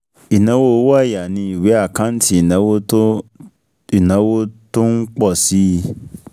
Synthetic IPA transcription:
i˨nã˨˦wo˦˧˦wɔ˦a˦˨ja˨nĩ˧i˨we˨˦a˦˨kã˨˦n̩˦ti˦i˨nã˨˦wo˦ | i˨nã˨˦wo˦to˦n̩˦k͡pɔ˦˨si˨˦˧

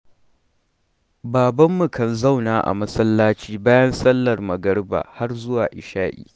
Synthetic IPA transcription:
baː˨bɐ˦mːu˨kɐ˨nza˦˨wnaː˨ʔa̰˨mɐ˦sɐ˦lːaː˦t͡ʃiː˦baː˦jɐ˦nsɐ˦lːɐ˨rmɐ˨ɡɐ˦rba̰ː˨ha˦rzʊ˦waː˨ʔɪ˨ʃaː˦ʔḭː˨

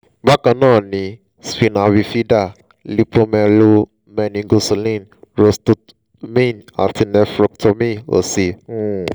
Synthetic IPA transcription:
ba˦kã˧nãː˦˨nĩ˧ | spĩ˧na˧wi˧fi˦da˦˨ | li˦põ˧mɛ˧lo˦ | mɛ˧nĩ˧ɡo˧so˨lĩ˦˨nɹo˧sto˧t | mĩ˦˨na̰˨ti˧nɛ˧fɾɔ˧ktʰo˧mĩ˦˨o̰˨sĩ˧˦

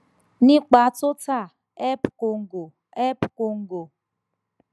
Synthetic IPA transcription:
nĩ˦k͡pa˨˦tʊ˦ta˦˨ | ɛ˦pʊ˨ko˨ŋ̩˦ɡo˨ | ɛ˦pko˨ŋ̩˦ɡo˨

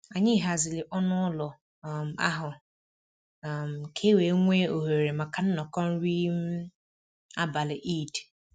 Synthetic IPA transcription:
a˨ɲɪ˦˨ɦa˨zɪ˨lɪ˨ʔɔ˦nʊ˦lʊ˨ | m˨a̰˦ɦʊ˨ | m̩˨kʰe˦we˨˦ŋʷeː˦o˨ɦe˨ɾe˨ma˨ka˨n̩˦nɔ˨kɔ˦n̩˦ɾi˦m̩˦ | a˦ba˨lɪ˨ʔi˦˨t

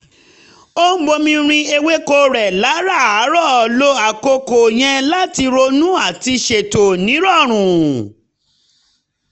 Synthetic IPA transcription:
o˦m̩˦ɡ͡bo˧mĩ˧ɾ̃ĩ˧e˧we˦ko˦ɾɛ˨la˨˦ɾa˦˨a˨˦ɾɔ˦˨lo˦a˨ko˧ko˨j̃ɛ̃˧la˦ti˧ɾo˧nũ˦a˦˨ti˧ʃe˨to˨nĩ˨˦ɾɔ˦˨ɾ̃ũ˨

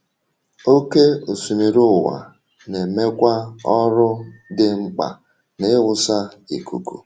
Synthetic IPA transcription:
o˦ke˦o˨su˨mi˨ɾu˦˨wa̰˨ | ne˨me˦kʷa˦ɔ˦ɾʊ˦dɪ˦ŋ͡m̩˦k͡pa̰˨ | nɪ˦wʊ˦˨sa˦i˨kʰṵ˨kṵ˨

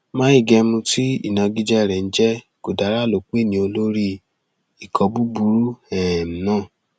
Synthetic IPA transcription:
mãː˦i˦˨ɡɛ˧mũ˧ti˦ḭ˦˨nã˧ɡi˦d͡ʒɛ˦˨ɾɛ˨n̩˦d͡ʒɛ˦ | ko˨da˨˦ɾa˦˨lo˨k͡pe˦˨nĩ˧˦o˧lo˦ɾi˦ | i˨kʰɔ˧bu˦bu˨˦ɾu˦ɛ˨m̩˦nãː˦˨

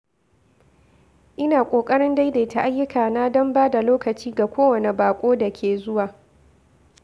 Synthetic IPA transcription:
ʔɪ˦naː˨kʷʼoː˨kʼɐ˦ɽɪ˦nda˦jda˨ta˦ʔa˦jːʊ˦kʰaː˨naː˦dɔ˦mbaː˦da˨loː˦kɐ˨t͡ʃiː˦ɡa˨kʷoː˦wɐ˨ne˨baː˨kʷʼoː˦da˨kʲʰeː˨zʊ˦waː˨

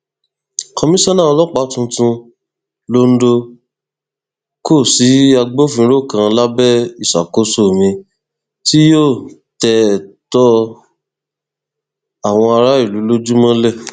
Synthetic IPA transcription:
kɔ˧mĩ˦sa˦nã˦˨ɔ˧lɔ˦˨k͡pa˨˦tũ˧tũ˧ | lo˧n̩˦do˧ | ko˦˨si˨˦a˧ɡ͡bo˦˨fĩ˧˦ɾo˦˨kã˧la˦bɛ˦i˦˨sa̰˨ko˨˦so˦˨mĩ˧ | ti˦joː˦˨ | tɛ˧tɔ˦ | a˨w̃ɔ̃˧a˧ɾa˦i˦˨lu˨˦lo˦d͡ʒu˦mɔ̃˦lɛ˦˨

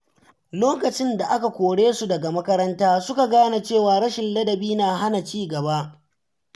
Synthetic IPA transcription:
loː˦kɐ˨t͡ʃɪ˦nda˨ʔa˦ka˨kʷoː˨ɽeː˦su˨dɐ˨ɡa˨mɐ˦kɐ˦ɾɐ˦ntaː˦sʊ˦ka˨ɡaː˦na˨t͡ʃeː˦˨waː˨ɽɐ˦ʃɪ˨nlɐ˦dɐ˨biː˦naː˨ɦa˦na˨t͡ʃiː˦ɡɐ˨ba˦ʔ

